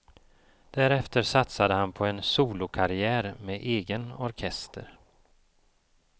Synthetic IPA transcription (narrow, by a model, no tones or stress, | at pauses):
d̪̥æɾɛft̪əɾʂat̪sad̪əhanpʰɔɛnsuːlʊkʰaɾɪæːɾmeʔeːɡənɔɾkʰɛst̪ʰə̰ɾ